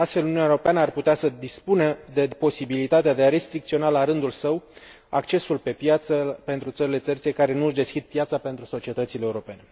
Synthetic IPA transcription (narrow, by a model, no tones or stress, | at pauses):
ast̪fe̞luniuneɾo̞peanəarput̪easəd̪ispuned̪e̞po̞sibilit̪at̪ead̪e̞aɾe̞st̪ɾikt̪sio̞nalaɾɨnd̪ulsəw | ak̚t͡ʃe̞sulpe̞pjat̪səpe̞nt̪ɾut̪səɾile̞t̪sərt̪se̞kaɾe̞nuɨʃd̪e̞skʲid̪̚pjat̪sape̞nt̪ɾuso̞t͡ʃie̞t̪ət̪sileeuɾo̞pe̞ne̞